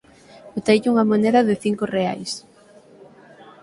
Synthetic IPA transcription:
ot̪ejʝuŋɐmoneðɐðɪθiŋkorea̰js

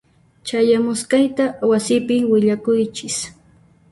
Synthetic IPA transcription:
t͡ʃajamʊskajt̪awasɪpɪwɪʎakʊjt͡ʃɪs

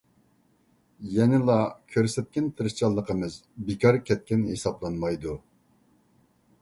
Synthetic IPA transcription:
jɛnɪlˠɑkʲʰøɾsɛt̪̚kʲɛnt̪ʰɨɾɨʃt͡ʃʰɑlˠːəqəmɨzbekʲʰɑɾkʲʰɛt̪̚kʲɛnɦesɑblˠɑnmɑjd̪u

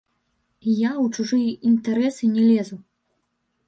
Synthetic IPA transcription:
jawt͡ʂuʐɨjint̪aɾɛsɨnʲɛlʲɛzu

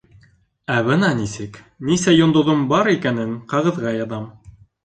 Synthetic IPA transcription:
æβɤnɑnisɘk | nisæjŏnd̪ŏðombɑɾikænɘŋqɑʁɤ̆ðʁɑjɑðɑm

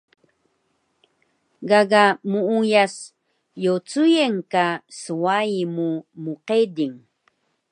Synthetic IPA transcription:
ɡaɡamuujas | jot͡sujeŋkaswajmumoqed̪ɪŋ

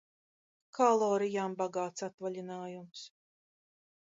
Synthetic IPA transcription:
kʰalˠɔːɾijaːmbaɡaːt̪sat̪valʲinaːjums

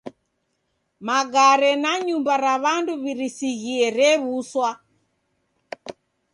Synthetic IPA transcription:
maɣaɾɛnaɲumbaɾaβanduβiɾisiɣiɛɾɛβuswa

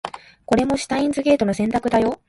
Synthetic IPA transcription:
ko̞ɾe̞mo̞ɕi̥t̪aĩnzɨɡʲe̞ːt̪o̞nosẽ̞nt̪akɯ̟d̪ajo̞

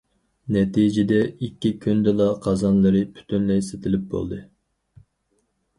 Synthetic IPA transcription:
nɛt̪id͡ʒɪd̪ɛikʲːikʲʰynd̪ɛlˠɑqʰɑzɑnlˠɨɾɨpʰy̥t̪ʰynlɛjset̪ʰɪlɪp̚bo̰lˠd̪ɨ

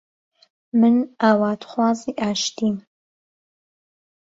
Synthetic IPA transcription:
mɨnaːwaːt̪χʷɑːziːʔaːʃt̪ʰiːn

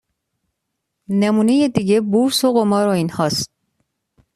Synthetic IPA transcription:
nemunejed̪iɡebuɾsoɣomɒːɾoinhɒst̪̚

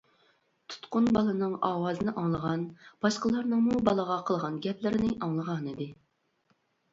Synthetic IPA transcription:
t̪ʰu̥t̪qʊnbɑlˠɨnɨŋɑːwɑːzɨnɨʔɑŋlˠəʁɑnb̥ɑʃqəlˠɑɾnɨŋmubɑlˠəʁɑqʰəlˠʁɑnɡʲɛplɪɾɪnɪʔɑŋlˠəʁɑnid̪ɪ

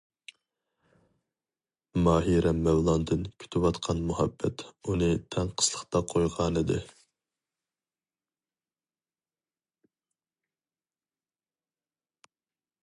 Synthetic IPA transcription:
mɑːɦiɾɛmːɛwlˠɑnd̪ɨnkʲʰy̥t̪ʰɪwɑt̪qʰɑnmuhɛbːɛt̪unɨt̪ʰɛŋqʰə̥slˠə̥χt̪ɑqʰojʁɑnɨd̪ɨ̰

